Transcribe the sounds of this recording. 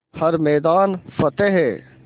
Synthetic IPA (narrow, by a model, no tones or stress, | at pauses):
hɐɾmɛːd̪aːnfɐt̪eɦɛː